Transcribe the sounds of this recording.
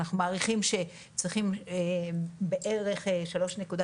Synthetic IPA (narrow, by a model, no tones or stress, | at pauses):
naχnumaːʁiχimʃe̞ | t͡sʁiχim | be̞ʔeʁe̞χeʃalo̞ʃnekuda